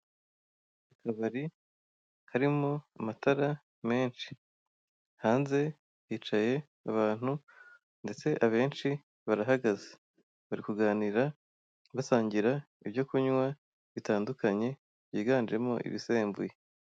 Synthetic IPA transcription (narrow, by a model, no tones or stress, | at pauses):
akaβaɾi | haɾimo̞amataɾa | me̞ːnʃi̥ | haːnze̞ | jiːt͡ʃaje̞ | aβaːn̥hu | nde̞t͡se̞ʔaβe̞ːnt͡ʃi | βaɾaɦaɡaze̥ | βaɾikuɡaːniɾa | βasaːɲɟiɾa | iβjo̞kuɲwa | βitaːndukaɲe̞ | β̥jiːɡaːnd͡ʒe̞mo̞̰ʔḭβise̞ːmbṵje